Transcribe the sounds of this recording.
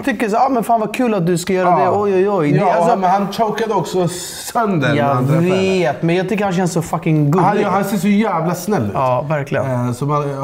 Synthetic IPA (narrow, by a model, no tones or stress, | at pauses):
t̪ʰʏkːəʂsaɑːmɛnfaːnvakʰʉ̟ːlat̪̚d̪ɵskajœːɾad̪ɛɔjɔjɔjsɔmɛnhant͡ʃoʊkad̪əɔksɔ | sœnd̪ənjɑveːt̪mɛnjɑːɡ̚t̪ʏkːəɾhanɕ̬ɛnsɔfakɪŋɡʉlhanseːsɔjæːvlasnɛlːʉ̟ɑːvæɾklɪɡə̰sɔma